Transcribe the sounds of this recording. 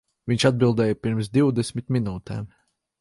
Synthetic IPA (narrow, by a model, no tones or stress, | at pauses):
viɲʲʃad̪̚bilˠd̪ɛːjəpiɾms̬d̪iwd̪ɛsʲmʲit̪mʲinuːt̪ɛ̰ːm